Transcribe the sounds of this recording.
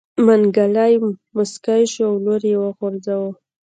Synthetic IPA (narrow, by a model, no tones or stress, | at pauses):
manɡalajmʊskajʃoawnoɾjewəxoɾzawə